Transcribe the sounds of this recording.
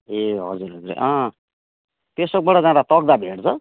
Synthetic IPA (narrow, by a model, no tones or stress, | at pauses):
eɦʌ̰d͡zuɾɦʌd͡zuɾ̰ʔʌ̃ | t̪esʌk̚bʌɽʌd͡zãɾat̪ʌk̚d̪abʱeɽt͡sʰʌ